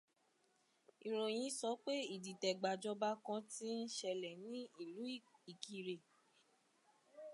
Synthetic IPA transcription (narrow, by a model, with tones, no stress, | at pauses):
i˨ɾo˨j̃ĩ˧sɔ˨˦k͡pe˦i˦˨di˨tɛ˨ɡ͡ba˨d͡ʒɔ˧ba˧˦kã˧ti˦n̩˦ʃɛ˧˨lɛ˨nĩ˦i˦˨lu˨˦i˨ki˨ɾe˨